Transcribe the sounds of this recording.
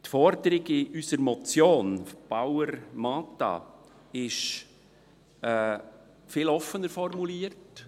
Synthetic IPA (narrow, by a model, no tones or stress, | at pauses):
tfɔɾd̪əɾɪɡɪʔysəɾmɔt͡sjoːnb̥awəɾmɑːtɑ̰ | ɪʃ | ɛ | fɪlɔfənəɾfɔrmuliːəɾt